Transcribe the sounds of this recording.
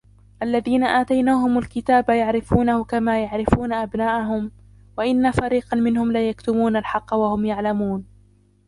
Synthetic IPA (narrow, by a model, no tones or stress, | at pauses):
ʔalːaðiːnaʔaːt̪ajnaːhʊmalkɪt̪aːbajaʕɾɪfuːnahʊkamaːjaʕɾɪfuːnaʔabnaːʔaɦʊm | waʔɪnːafaɾiːqɑmɪnhʊmlaːjakt̪ʊmuːnalħɑqːɑwahʊmjaʕlamuːn